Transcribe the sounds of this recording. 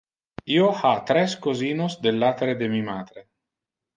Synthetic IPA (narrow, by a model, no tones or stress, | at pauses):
iːoat̪ːɾɛskoziːnosd̪elːaːt̪eɾed̪emimaːd̪̥ɾe